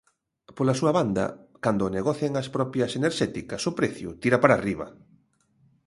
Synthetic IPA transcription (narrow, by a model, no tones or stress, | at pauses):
polasuɐβand̪ɐ̰kand̪oːneɣɔθjeŋaspɾɔpjɐseneɾʃɛt̪ikɐsʊpɾeθjʊ̰t̪iɾapaɾariβ̞ɐ̰